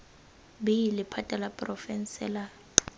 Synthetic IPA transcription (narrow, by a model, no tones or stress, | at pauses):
bɪjilɪpʰatʼalapʼrɔfɛn̩sɛla